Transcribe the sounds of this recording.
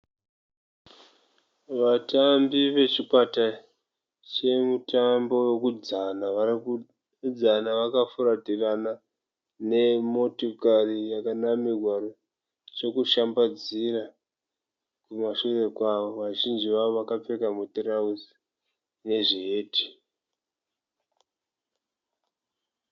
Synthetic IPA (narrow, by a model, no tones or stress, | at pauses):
ʋatambiʋe̞t͡ʃikwata | t͡ʃe̞mutambo̞we̞kud͡zana | d͡zanaʋakafuɾatirana | ne̞mo̞tokarijakanamirʱwaɾo | t͡ʃo̞kuʃambad͡zira | kumaʃure̞kwaʋoʋaʒind͡ʒiʋaoʋakap͡fe̞kamutrausi | ne̞ʐiɦe̞ːtʰi̥